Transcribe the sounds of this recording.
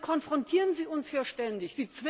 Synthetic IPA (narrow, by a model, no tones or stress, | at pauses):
kʰɔnfʁ̥ɔntʰiːʁənziːʊnshiːɐʃtɛndɪçz̥iːt͡sv̥ɪ